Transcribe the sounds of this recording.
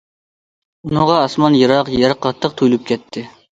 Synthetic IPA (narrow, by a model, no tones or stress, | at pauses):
unɨʁɑːsmɑnjɑɾɑqjɛɾqʰːɑt̪ʰːəq̚t̪ʰujlyp̚kʲɛt̪ʰːɪ